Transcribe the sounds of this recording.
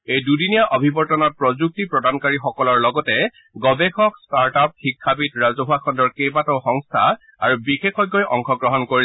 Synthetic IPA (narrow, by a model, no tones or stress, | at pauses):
ejdudinijaʔobʱibɔɹtɔnɔt̚pɹɔzuk̚tipɹɔdankaɹixɔkɔlɔɹlɔɡɔtɛ | ɡɔbexɔkstaɹtap̚xikʰːapitɹazoɦakʰɔndɔɹkejbatɔxɔŋstʰa̰ | a̰ɹubixekɔjɡːɔjʔɔŋkʰɔɡɹɔɦɔnkoɹi